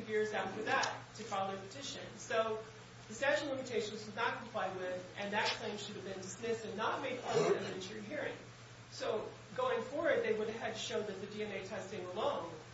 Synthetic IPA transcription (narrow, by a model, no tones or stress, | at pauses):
vjɪɹzaʊtwɨ˞ðətʰɨtʰɹ̥ɑɪl̩ˠðə˞pɨtʰɪʃɨ̰̃nsoʊ | ðɨstæ̃ʃl̩ˠɪ̃mɨtʰeɪʃɨ̃nzwʌzⁿnət̚kʰm̩pʰl̥aɪd̚wɪðʔɨ̃nðɨt̚kʰl̥ẽɪ̃mʃʊɾɨvbɨ̃ndɨsmɪstɨ̃nːət̚meɪd̚pʰɑɨ̃ɨ̃nɨ̃ɨ̃nt͡ʃə˞ɨ̃ɦiɹɪ̃ŋ | soʊ | ɡoʊɪ̃ŋfɔɹwə˞d̪̚ðeɪwʊɾɨv̥ɨd̚tʰɨʃoʊðɨt̪̚ðɨdiɛ̃neɪtʰɛstɪ̃ŋəlõʊ̃n